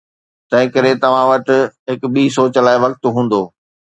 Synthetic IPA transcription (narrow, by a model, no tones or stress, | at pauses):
t̪ɐ̃ɦɪ̃kɐɾet̪ɐʋ̤ãʋɐʈɪɦɪkɓiːs̬oːt͡ɕɐlaːeʋɐk̚t̪ɦũːn̆d̪oː